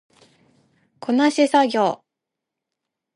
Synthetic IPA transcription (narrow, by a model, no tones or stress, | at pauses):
kʰo̞naɕisaɡʲo̞ː